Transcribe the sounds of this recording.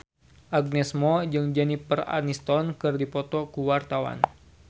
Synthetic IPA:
ʔaɡ̚nɛsmɔd͡ʒɨŋd͡ʒanipəra̰nist̪ɔnkɨrdipɔt̪ɔkuwart̪awa̰n

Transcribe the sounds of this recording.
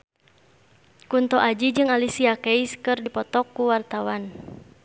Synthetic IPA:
kunt̪ɔʔad͡ʒid͡ʒɨŋalisiakɛiskɨrdipɔt̪ɔkːuwart̪awan

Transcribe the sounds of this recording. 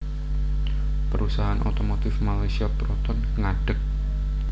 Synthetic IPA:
pəɾusaɦaanʔot̪omot̪ɪfmalajsiapɾɔt̪ɔn | ŋaɖ̥ək̚

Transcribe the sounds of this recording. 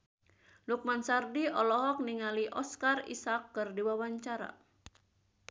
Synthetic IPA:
luk̚mansardiɔlɔɦɔk̚niŋaliʔɔskarḭsakːɨrdiwawaɲt͡ʃaɾa̰

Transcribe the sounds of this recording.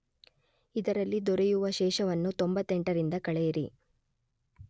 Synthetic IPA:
id̪ɐɾɐlːid̪ɔɾejuʋɐʃɛːʃɐʋɐnːut̪ombɐt̪ːeɳʈɐɾind̪ɐkɐɭɛjɐɾi

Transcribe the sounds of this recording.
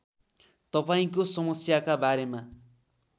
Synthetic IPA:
t̪ʌpaĩkosʌmʌsjakabaɾema

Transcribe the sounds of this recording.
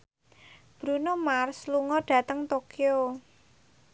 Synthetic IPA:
b̥ɾunomarsluŋɔɖ̥ä̤t̪əŋt̪okio

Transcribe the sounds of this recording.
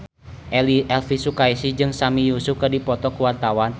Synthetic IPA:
ʔɛliʔɛlfisukaisid͡ʒɨŋsamijusufkərdipɔt̪ɔkəwart̪awan

